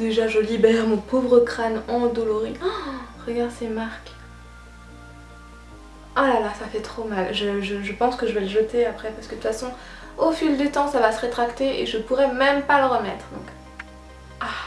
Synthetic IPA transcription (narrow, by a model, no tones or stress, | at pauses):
d̪eʒaʒəlibɛʁmɔ̃povʁəkχanɑ̃d̪ɔlɔʁiʁəɡaʁd̪semaʁk | ɔlalasafɛt̪χomalʒəʒəʒəpɑ̃skəʒəvɛləʒət̪eapχɛpaʁsəkət̪ut̪fasɔ̃ | ofild̪yt̪ɑ̃savasəʁet̪χakt̪eḛʒəpuʁɛmɛmpaləʁəmɛt̪χəd̪ɔ̰̃k | a